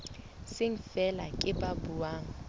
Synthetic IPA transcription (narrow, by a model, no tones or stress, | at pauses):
sɪŋ̩fɛla̰kʼɪpʼabuaːŋ̩